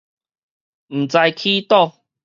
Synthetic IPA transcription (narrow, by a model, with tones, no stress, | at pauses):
m̩˨˩t͡sa˧jkʰi˦t̪ɔ˥˧˨